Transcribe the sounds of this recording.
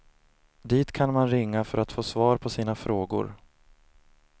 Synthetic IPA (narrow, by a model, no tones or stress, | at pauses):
d̪iːt̪kʰanmanɾɪŋːafœɾat̪foːsvɑːɾpʰɔsiːnafɾoːɡʊ̰ɾ